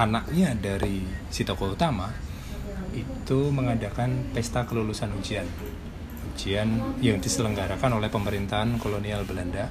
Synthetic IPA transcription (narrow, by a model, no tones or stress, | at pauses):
anak̚ɲadaɾisit̪okɔut̪ama | it̪uməŋadakanpɛst̪akəlulusanuɲt͡ʃian | uɲd͡ʒianjaŋdisələŋɡaɾakanolɛhpəməɾint̪aɦankolonialbəlanda